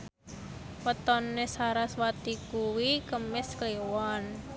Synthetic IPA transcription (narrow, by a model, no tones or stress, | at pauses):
wət̪ɔnːesaɾaswat̪ikuwikəmɪsklewan